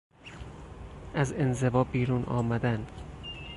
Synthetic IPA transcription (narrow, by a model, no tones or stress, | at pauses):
æze̞nze̞vɒːbiːɾuːnʔɒ̰ːmæd̪ænd̪